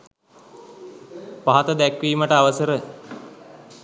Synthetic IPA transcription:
paɦat̪əd̪ɛkʋiːməʈəaʋəsəɾə

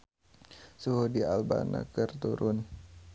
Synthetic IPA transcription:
suɦudialba̰na̰kərt̪uɾʔʊn

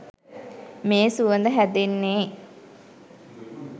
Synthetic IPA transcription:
meːsuʋənd̪əɦæd̪enːeː

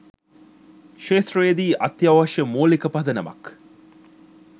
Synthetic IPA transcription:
ʃeːsreːd̪iːʔɐt̪ːjɐʋɐʃəmoːlikəpɐd̪ənɐmɐ̰k

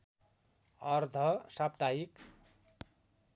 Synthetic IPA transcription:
ʌrd̪ʱʌsab̚t̪aik

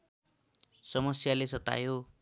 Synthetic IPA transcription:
sʌmʌsjalesʌt̪a̰jo

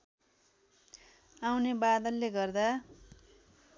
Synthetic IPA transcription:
awnebad̪ʌlːeɡʌrd̪a

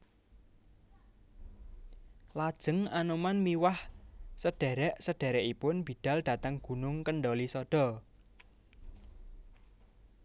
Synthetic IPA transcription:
lad̥ʒ̥ə̤ŋanomanmiwahsəɖ̥ɛ̤ɾɛʔsəɖ̥ɛ̤ɾɛʔipʊnb̥i̤d̥a̤lɖ̥a̤t̪əŋɡ̥ṳnʊŋkəɳɖɔlisɔɖ̥ɔ̤

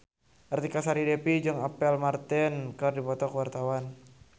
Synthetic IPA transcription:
ʔart̪ikasaɾidepid͡ʒɨŋapɛlmart̪ɛnkardipɔt̪ɔkəwart̪awan

